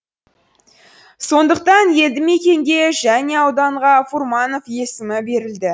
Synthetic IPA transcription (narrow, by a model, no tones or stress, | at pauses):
so̞nd̪əq̚t̪ɑnje̞ld̪ɪme̞kʲe̞ŋɡʲe̞ʒæne̞ɑwd̪ɑɴʁɑfurmɑno̞fje̞sɪmɪbe̞ɾɪld̪ɪ